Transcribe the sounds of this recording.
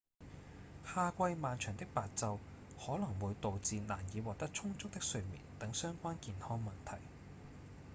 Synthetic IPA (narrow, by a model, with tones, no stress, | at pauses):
haː˧kʷɐ˧jmaː˨˧nt͡ʃʰœː˨˩ŋt̪ɪ˥k̚paː˨t̚t͡sɐ˧w | hɔː˨˥lɐ˨˩ŋwuː˨˧jt̪o˨wt͡siː˧na̰ː˨˩njiː˨˧wɔː˨k̚t̪ɐ˥k̚t͡sʰʊ˥ŋt͡sʊ˥k̚t̪ɪ˥k̚sɵ˧ɥmḭː˨˩nt̪ɐ˨˥ŋsœː˥ŋkʷaː˥nkiː˧nhɔː˥ŋmɐ˨nt̪ʰɐ˨˩j